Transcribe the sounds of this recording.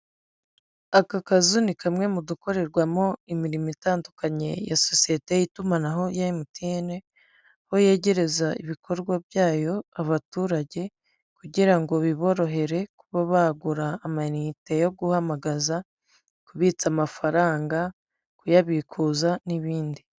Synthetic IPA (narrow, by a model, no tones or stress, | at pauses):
akakazunikamŋe̞muduko̞ɾe̞ɾɡwamo̞imiɾimitaːndukaɲe̞̰ja̰so̞sijete̞jitumanaɦojaimutine̞ | hoje̞ːɟe̞ɾe̞zaiβikʰo̞ɾɡwabjaːjo̞aβatuːɾaɟe̞ | kuɟiɾaŋɡo̞βiβo̞ɾo̞ɦe̞ɾe̞kuβaβaɡuɾaːmanite̞jo̞ɡuhamaɡaza | kuβiːt͡samafaɾaːŋɡa | kujaβikʰuːzaniβiːndi